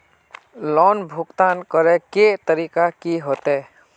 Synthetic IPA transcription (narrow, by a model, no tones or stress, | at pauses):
lɔːnbʱʊɡt̪aːnkəɾeket̪əɾiːkakiɦoːt̪eː